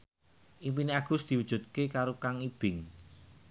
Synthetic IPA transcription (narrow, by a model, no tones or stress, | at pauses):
ʔimpineaɡ̥ʊ̤sd̪̥i̤wud̥ʒ̥ṳt̪̚kekaɾokaŋib̥ɪŋ